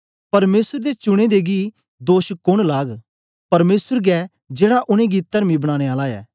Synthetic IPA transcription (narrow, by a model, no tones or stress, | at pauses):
pɐɾmeːsəɾd̪et͡ʃʊɽ̃ed̪eɡi | d̪oːʃkʊɽ̃laːɡ | pɐɾmeːsəɾɡɛ | d͡ʒeːɽaʔʊɽ̃ẽɡit̪ːɐɾmibɐɽ̃ãːɽ̃eaːlaɛ̰ː